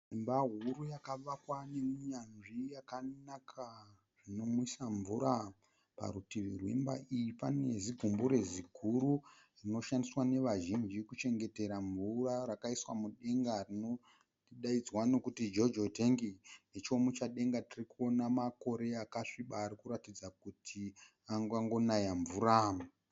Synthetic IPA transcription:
embaɦuɾujakaʋakwanemuɲanʐijakanakʰa | rino̞muisaɱvuɾa | pa̰ɾutiʋirwḛmba̰ʔijipane̞ziɡʱumbuɾe̞zikʰuɾu | rino̞ʃandiswane̞ʋaʒind͡ʒikut͡ʃe̞ŋɡe̞te̞ɾaɱvurarakaiswamuɗe̞ŋɡarino | iɗaid͡zwano̞kutid͡ʒo̞d͡ʒote̞ŋɡine̞t͡ʃo̞mut͡ʃaɗe̞ŋɡatirikuonamako̞ɾe̞akaʂiɓaːɾikuɾatid͡zak̚utʰi | aŋɡaŋɡo̞najaɱvuɾa

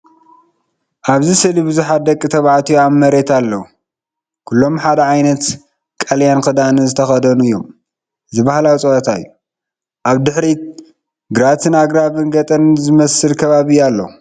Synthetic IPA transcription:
ʔaβzisɨlibɨzuħat̪̚d̪ɐkʼːit̪ʰɐβaʕt̪ʰijamːɐɾe̞t̪ʰalːɐu | kʰulːo̞mħad̪ɐʕajnɐt̪ | kʼɐljankʰɐd̪anɨzɨt̪ʰɐxɐd̪ɐnuɨjːo̞m | zɨβahlawt͡sʼɐʔɐt̪ʰajːu | ʔaβd̪ɨħɾi | ɡɾat̪ʰɨnaɡɾaβɨnɡɐt̪ʼɐnzɨmɐsɨlkʰɐβaβijːalːɐ̰u

